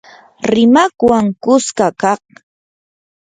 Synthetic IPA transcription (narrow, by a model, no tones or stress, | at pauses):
ɾɪmakwaŋkʊskakɑχ̚